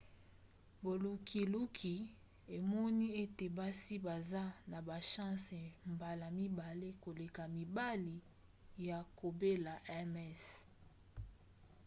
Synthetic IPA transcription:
bo˨lu˨ki˨lu˦kʰi˨ | e˨mɔ˦ni˦e˦te˨ba˦si˦ba˨za˦na˨ba˨ʃã˦se˨mba˨la˨mi˦ba˨le˦ko˨le˨ka˨mi˨ba˦li˨ | ja˨ko˨be˦la˨ʔɛ˦mɛ˦s

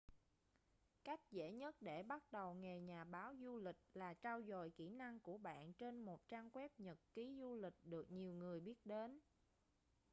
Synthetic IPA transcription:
ka˦˥jk̟̚zḛ˧˥ɲə˦˥t̚ɗe˧˩ɓa˦˥t̚ɗə˨˩wŋe˨˩ɲaː˨˩ɓaː˨˦wzu˧lï˨˩k̟̚laː˨˩t͡ɕaː˧wzɔ̰˧˨jkḭ˧˩na˧ŋku˧˩əɓa̰ː˧˨nt͡ɕe˧nmo˨˩t̚t͡ɕaː˧ŋkwɛ˦˥p̚ɲə˨˩t̚ki˨˦zu˧lï˨˩k̟̚ɗɨ˨˩ək̚ɲi˨˩əwŋɨ˨˩əjɓi˦˥ət̚ɗe˨˦n

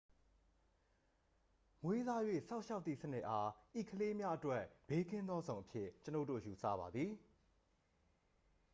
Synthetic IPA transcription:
ŋwe˦za˦jwḛ˦˨sã˦ʊʔʃa˦ʊt̪θi˦˨sənɪ˦ʔa˦ʔi˦˨kʰəle˦mja˦ʔətwɛ˦˨ʔb̥e˦kɪ̃˦nd̪ɔ˦zõ˨ʊ̃ʔəpʰjɪ˦˨t͡ɕəno˦ʊtːo̰˦˨ju˨sa̰˦˨βa˨d̪ði˨

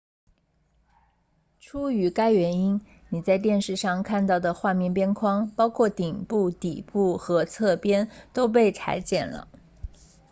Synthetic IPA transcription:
ʈ͡ʂʰu˥y˧˥ka˥ɪɥɛ˧˥ni˥n | ni˨˩t͡sa˥˧ɪt̪jɛ˥˧nʂɻ̩˥˧ʂɑ˥˧ŋkʰa˥˧nt̪ɑ˥˩ʊd̪ə˩xwa˥˧mjɛ˥˩npjɛ˥nkʰwɑ˥ŋpɑ˥ʊkʰwɔ˥˩t̪i˨˩ŋpu˥˩t̪i˨˩pu˥˩xɤ˧˥t͡sʰɤ˥˩pjɛ˥nt̪o˥ʊp̬e˥˩ɪt͡sʰa̰˧˥ɪt͡ɕjɛ̰˨˩nlə̰˦

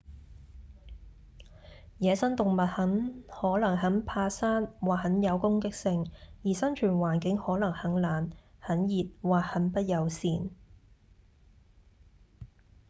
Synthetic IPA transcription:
jɛː˨˧sɐ˥nt̪ʊ˨ŋmɐ˨t̚hɐ˨˥nhɔː˨˥lɐ˨˩ŋhɐ˨˥npʰaː˧saː˥nwaː˨hɐ˨˥njɐ˨˧wkʊ˥ŋkɪ˥k̚sɪ˧ŋjiː˨˩sɐ˥nt͡ʃʰyː˨˩nwaː˨˩nkɪ˨˥ŋhɔː˨˥lɐ˨˩ŋhɐ˨˥ŋlaː˨˩nhɐ˨˥njiː˨t̚waː˨hɐ˨˥npɐ˥t̚jɐ˨˧wsiː˨n

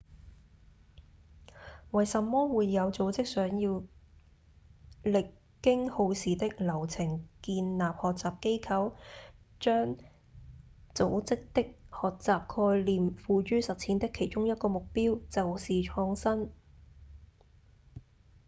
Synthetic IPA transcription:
wɐ˨˩jsɐ˨mːɔː˥wuː˨˧jːɐ˨˧wt͡so˨˥wt͡sɪ˥k̚sœː˨˥ŋjiː˧w | lɪ˨kːɪ˥ŋho˧wsiː˨t̪ɪ˥k̚lɐ˨˩wt͡sʰɪ˨˩ŋkiː˧nlaː˨p̚hɔː˨k̚t͡saː˨p̚ke˥jkʰɐ˨˥w | t͡ʃœː˥ŋ | t͡so˨˥wt͡sɪ˥k̚t̪ɪ˥k̚hɔː˨˩k̚t͡saː˨˩p̚kʰɔː˧jliː˨mfuː˧t͡ʃyː˥sɐ˨t̚t͡sʰi˨˥nt̪ɪ˥kʰːe˨˩jt͡ʃʊ˥ŋjɐ˥t̚kɔː˧mʊ˨k̚piː˥wt͡sɐ˨wsiː˨t͡ʃʰɔː˧ŋsɐ˥n

